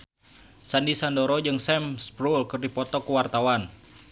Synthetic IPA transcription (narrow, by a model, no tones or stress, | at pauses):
sandisandɔɾɔd͡ʒɨŋsɛmspɾulkɨrdipɔt̪ɔkuwart̪awan